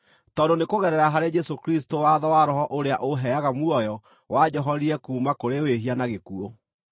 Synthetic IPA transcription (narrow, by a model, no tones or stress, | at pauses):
tɔdonekoɣɛɾɛɾaɦaɾed͡ʒɛsokɾistowaðɔwaɾɔɦɔʔoɾeaʔoɦɛaɣamuɔjɔ | wad͡ʑɔɦɔɾiɛkuːmakoɾeweɦianaɣekuo